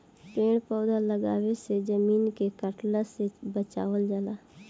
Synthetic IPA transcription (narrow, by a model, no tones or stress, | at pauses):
peːɽ̃pɔʊd̪ʱaləɡaːwesed͡ʒəmiːnkekəʈlasebət͡ʃa̰ːʋəld͡ʒəlaː